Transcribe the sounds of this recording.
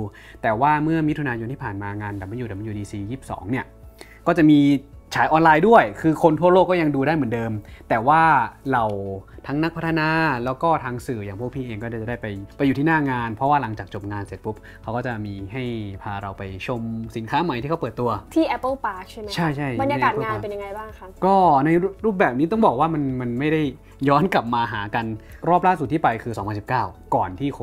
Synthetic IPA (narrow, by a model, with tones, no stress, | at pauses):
t̪ɛː˨˩waː˥˩mɯ˥˩ɐmi˦˥t̪ʰu˧naː˧jo˧nt̪ʰiː˥˩pʰaː˨˩nmaː˧ŋaː˧nt̪ɛː˨˩ma˧˩ju˨˩d̪ɛ˨˩m˧juː˧diː˧siː˧jiː˥˩p̚sɔ̰ː˩˦ŋni˥˩ɐ | kɔː˥˩t͡ɕa˨˩miː˧t͡ɕʰaː˩˦jʔɔː˧nlaː˧jdu˥˩əjkʰɯː˧kʰo˧nt̪ʰu˥˩ɐloː˥˩kːɔː˥˩ja˧ŋduː˧daː˥˩jmɯ˩˦dɤː˧mt̪ɛː˨˩waː˥˩ɾa˧wt̪ʰa˦˥ŋna˦˥k̚pʰt̪ʰːa˧naː˧˥lɛː˦˥wkɔː˥˩t̪ʰaː˧ŋsɯː˨˩jaː˨˩ŋpʰu˥˩kpʰiː˥˩ʔeː˧ŋkɔː˥˩ɾt͡ɕa˨˩daː˥˩jpa˧jpa˧juː˨˩iː˥˩naː˥˩ŋaː˧npʰɾɔ˦˥waː˥˩la˩˦ŋt͡ɕaː˨˩k̚t͡ɕo˨˩p̚ŋaː˧nse˨˩t̪̚pʰu˦˥p̚ | kʰa˦wkɔː˥˩t͡ɕa˨˩miː˧ɦa˥˩jpʰaː˧ɾa˧wpa˧jt͡ɕʰo˧msi˩˦nkʰaː˦˥ma˦jt̪i˥˩a˦˥pɤː˨˩t̪ːu˧ɐt̪ʰiː˥˩ʔɛ˦˥pːə˥˩paː˦˥k̚t͡ɕʰa˥˩m˦t͡ɕʰa˥˩jt͡ɕʰa˥˩jba˧nja˧a˧˨˩pə˥˩aː˧a˦˥pe˧nja˧ŋa˧jbaː˥˩ŋkʰa˦˥˩kɔː˥˩na˧jɾu˥˩ɾuː˥˩p̚bɛː˨˩p̚niː˦˥t̪ɔ˥˩ŋbɔː˨˩k̚waː˥˩ma˧nma˧nma˥˩jda˥˩j | jɔː˦˥nkla˨˩p̚maː˧ɦaː˩˦ka˧nɾɔː˥˩p̚laː˥˩su˨˩t̪̚ʰːiː˥˩pa˧jkʰɯː˧sɔː˩˦ŋpʰa˧nsi˨˩p̚kaː˥˩wkɔː˨˩nt̪ʰiː˥˩kʰo˧˦